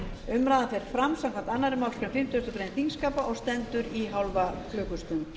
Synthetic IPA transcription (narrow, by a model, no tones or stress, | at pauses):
ʏmɾaːðanθfejɾ̥fɾamsamŋkʰvamt̪anːaɾɪmawl̥kʰɾɛmfɪm̥t̪ʏʏst̪ʏpɾejnt̪iŋskaːpaʔɔɣst̪ɛnt̪ʏɾiɦawlvaflʏːkʏst̪ʏm